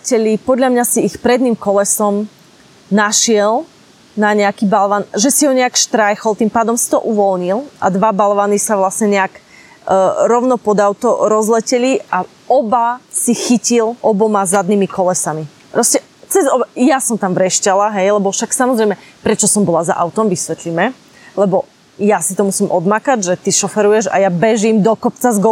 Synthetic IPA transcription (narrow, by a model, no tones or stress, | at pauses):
cɛʎipɔd̪ʎamɲasiːxpɾɛd̪niːmkɔlɛsɔm | naʃɪɛl | naɲɛakibalʋanʒɛsiɦɔɲɛakʃt̪ɾajxɔlˠt̪impaːd̪ɔmsi̥t̪ɔʔuʋɔlɲilˠʔa̰d̪ʋabalʋanisaʋlasɲɛɲɛak | ɾɔʊnɔpɔd̪aʊt̪ɔɾɔzlɛcɛlia | ɔbasixicilʔɔbɔmazad̪niːmikɔlɛsami | pɾɔscɛ | t͡sɛzɔbajasɔmt̪amvɾɛʃcalaɦɛjlɛbɔfʃaksamɔzɾɛjmɛpɾɛt͡ʃɔsɔmbɔlaza̰ʔaʊt̪ɔmʋisʋɛt̪limɛ | lɛbɔ | jasit̪ɔmusiːmʔɔd̪makaɟʒɛt̪iʃɔfɛɾujɛʒa̰jabɛʒimd̪ɔkɔpt͡sazɡɔ